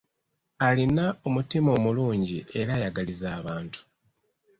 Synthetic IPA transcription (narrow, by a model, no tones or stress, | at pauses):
alinaomutimo̞ːmuluːɲɟie̞ɾajaɡalizaːβaːntu̥